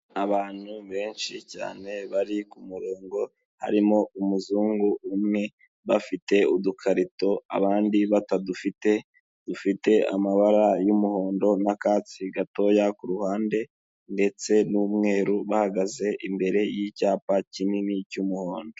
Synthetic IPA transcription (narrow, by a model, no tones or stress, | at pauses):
aβaːn̥huβe̞ːnʃica̰ːne̞βaɾikumuɾoːŋɡo̞ | ha̰ɾimo̞umuzuːŋɡuːmŋe̞ | βafite̞udukʰaɾito̞a̰βaːndiβatadufite̞ | d̥ufite̞a̰maβaɾajumuho̞ːndo̞nakaːt͡siɡato̞ːjakuɾuhaːnde̞ | nde̞t͡se̞numŋe̞ːɾuβahaɡaze̞ʔimbe̞ɾe̞jicaːpacininicumuho̞ːndo